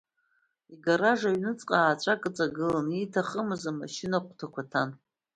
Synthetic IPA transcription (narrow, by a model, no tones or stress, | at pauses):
iɡaɾaʐaɥnɨt͡sʼqʼaːt͡ʃʷʼakʼɨt͡sʼaɡɨlanitʰaχəmɨzama̰ʃɪnaqʷtʰakʷatʰan